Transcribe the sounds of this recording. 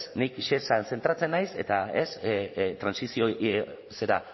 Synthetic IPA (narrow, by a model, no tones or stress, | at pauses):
snikʃesanse̞nt̪ɾat͡se̞nːajse̞̰t̪ae̞st̪ɾansisio | se̞ɾa̰